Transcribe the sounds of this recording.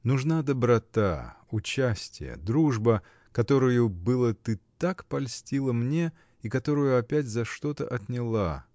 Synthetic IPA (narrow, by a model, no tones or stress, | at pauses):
nʊʐnad̪əbɾɐt̪a̰ | ʊt͡ɕæsʲtʲɪjə̰d̪ɾuʐbə | kɐt̪o̞ɾʊjʊbɨlˠət̪ɨt̪akpɐlʲsʲtʲilˠəmnʲe̞ | ikɐt̪o̞ɾʊjʊɐpʲætʲzɐʂt̪o̞t̪ə̰ʔɐt̪nʲɪlˠa̰